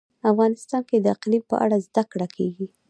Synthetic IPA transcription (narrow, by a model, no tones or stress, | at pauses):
afɣɑnɪst̪ɑnked̪əaqlipə̰ʔa̰ɽazd̪akɽakʰeɡi